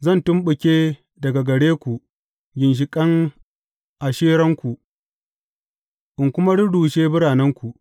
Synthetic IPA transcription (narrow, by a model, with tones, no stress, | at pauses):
zɐ˦˨ntʊ˦mɓʊ˨kʲeː˦ | dɐ˨ɡa˨ɡɐ˨ɽeː˦kʷu˨ | ɡʲɪ˨nʃ̬ɪ˨kʼɐ˦ŋ | ʔa˨ʃeː˦ɾɐ˦ŋkʷu˨ʔ | ʔʊ˨ŋkʷʊ˦ma˦ɽʊ˦duː˨ʃeː˦bʊ˦ɽaː˨nɛ˦ŋkʷu˨ʔ